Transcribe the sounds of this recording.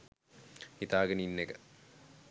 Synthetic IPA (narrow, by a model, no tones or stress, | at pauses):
hit̪aːɡəninːeɡə